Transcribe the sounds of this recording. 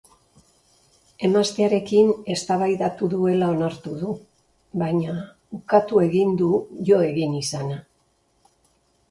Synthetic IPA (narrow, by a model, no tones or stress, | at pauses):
e̞mast̪e̞aɾe̞kine̞st̪aβajðat̪uðue̞lao̞naɾt̪uðu | βajɲa | ukat̪ue̞ɣind̪uʝo̞e̞ɣinisana